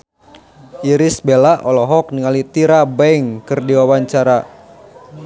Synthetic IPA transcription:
ʔiɾisbelaʔɔlɔɦɔk̚niŋalit̪iɾabaiŋkɨrdiwawaɲt͡ʃaɾa

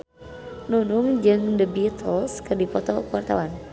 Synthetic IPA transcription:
nunuŋd͡ʒɨŋdəbit̪ʰəlskɨrdipɔt̪ɔkuwart̪a̰wan

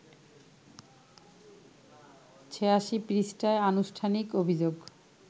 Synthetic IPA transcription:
t͡ɕʰeaʃipɾisʈaeanuʃʈʰanikobʱid͡ʑoɡ

